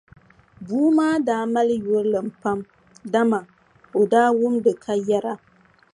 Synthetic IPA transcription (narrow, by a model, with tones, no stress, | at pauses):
buː˦maː˦daː˦ma˦lɨ˦jo˦ɾɨ˦lɨ˨m̩˨pa˦m | da˦ma˨ | o˨daː˦wʊ˦mdɨ˨kʰa˦jɛ˦ɾa˦